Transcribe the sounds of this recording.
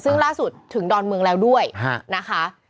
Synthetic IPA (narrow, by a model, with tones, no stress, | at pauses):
sɯ˥˩ŋlaː˥˩su˨˩t̪ʰːɯ˩˦ŋdɔː˧nmɯ˧əŋlɛː˦˥wdu˥˩əja˧˥˩na˦˥kʰa˦˥